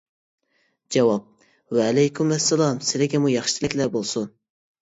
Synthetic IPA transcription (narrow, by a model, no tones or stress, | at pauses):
d͡ʒɛwɑp̚ | wɛːlɛjkʲʰymɛsːɛlˠɑmsɪlɪɡʲɛmujɑχʃɪ̥t͡ʃ̪ʰɪlɪkʲlæɾbolˠsun